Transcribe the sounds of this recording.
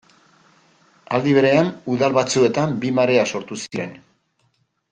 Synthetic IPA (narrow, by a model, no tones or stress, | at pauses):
ald̪iβe̞ɾe̞anuðalβat͡sue̞t̪ambimaɾe̞aso̞ɾt̪usiɾe̞n